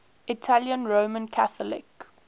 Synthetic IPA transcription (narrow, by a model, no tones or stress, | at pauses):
ɪtʰaljə̃nɹomə̃nkʰaθəlɪ̰k